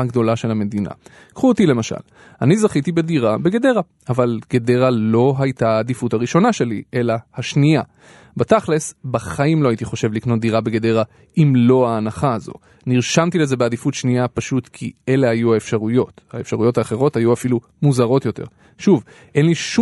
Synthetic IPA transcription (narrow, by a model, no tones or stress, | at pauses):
aɡd̪o̞laʃe̞lhame̞d̪ina̰ | kχuotile̞maʃa̰l | anizaχit̪ibediʁabe̞ɡede̞ʁa | avalɡ̥e̞de̞ʁalo̞ɦajtaːd̪ifutaʁiʃo̞naʃe̞lie̞lahaʃnia | bat̪aχlesbaχaimlo̞aitiχo̞ʃe̞vlikno̞t̪̚d̪iʁabeɡede̞ʁa | ʔimlo̞aːnaχaːzo̞̰ | niʁʃamtile̞ze̞bead̪ifutʃniapaʃut̪kʰḭe̞le̞hajuaefʃaʁujo̞thaefʃaʁujo̞thaːχe̞ʁo̞thajuafilu | muzaʁo̞t̪jo̞t̪e̞̰ʁ | ʃuv | ʔe̞nliʃu